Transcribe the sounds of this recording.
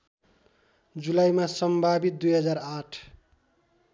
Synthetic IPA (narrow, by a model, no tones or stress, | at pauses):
d͡zulajmasʌmbʱabit̪̚d̪ujɦʌd͡zaɾaʈʰ